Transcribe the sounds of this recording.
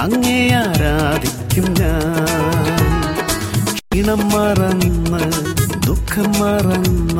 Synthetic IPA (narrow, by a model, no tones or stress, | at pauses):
ɐŋːeːjaɾaːɐd̪ʱikjɐmɲaː | kiɳɐmːaːɾɐnːɐ | d̪ukʰːɐmːaːɾɐnːɐ